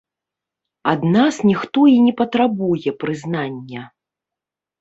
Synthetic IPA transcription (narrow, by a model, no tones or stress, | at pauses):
ad̪nasnʲixt̪ɔinʲɛpɐt̪ɾabujɛpɾɨznanʲːɐ